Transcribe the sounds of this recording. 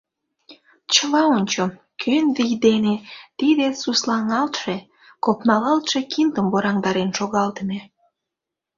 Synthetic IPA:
t͡ɕəlɑonʲt͡ɕom | kʰønvijd̪enet̪id̪esuslɑŋɑlt̪ʃe | kopnɑlɑlt̪ʃekind̪əmboɾɑŋd̪ɑɾenʃoɣɑlt̪əme

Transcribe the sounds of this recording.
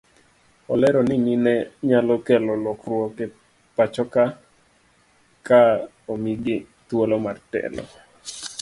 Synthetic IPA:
ɔlɛɾɔnɪninɛɲalɔkɛlɔlɔkrwɔkɛ | pat͡ʃɔka | ka | omiɡɪ | t̪wolɔmartɛ̰lɔ̰

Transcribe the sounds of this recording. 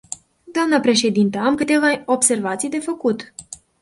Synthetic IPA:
d̪oamnəpɾe̞ʃe̞d̪int̪əamkɨt̪e̞vaobse̞rvat̪sijd̪e̞fəkut̪

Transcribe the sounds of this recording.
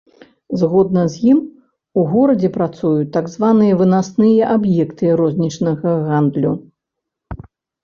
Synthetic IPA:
zɣɔd̪̚nɐzʲjim | uɣɔɾɐd͡zʲɛpɾat̪sujut̪ːaɡzvanɨjɐvɨnasnɨjɐʔabjɛkt̪ɨɾɔzʲnʲit͡ʂnɐɣɐɣand̪lʲu

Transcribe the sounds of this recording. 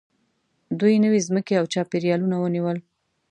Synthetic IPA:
d̪ujnəwezməkeawt͡ʃɑpeɾijɑlunawəniwəl

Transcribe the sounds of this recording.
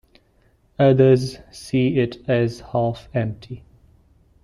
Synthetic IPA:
ʌðəzsiːɪtʰɨzhafɛ̃mp̚tʰi

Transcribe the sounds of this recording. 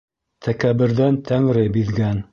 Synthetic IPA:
t̪ʰækæβɘ̆ɾðænt̪ʰæŋɾɘbiðɡæn

